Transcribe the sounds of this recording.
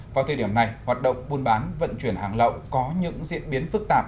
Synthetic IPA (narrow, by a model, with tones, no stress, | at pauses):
vaː˨˩t̪ʰə˨˩ɗi˧˩əmna˨˩jhwaː˨˩t̚ɗə̰˧˨wŋ͡mɓu˧nɓaː˨˦nvə̰˧˨nt͡ɕwi˧˩ənhaː˨˩ŋlə̰˧˨wkɔ˨˦ɲɨ̰˧˥ŋzḭ˧˨ənɓi˨˦ənfɨ˦˥k̚t̪aː˨˩p̚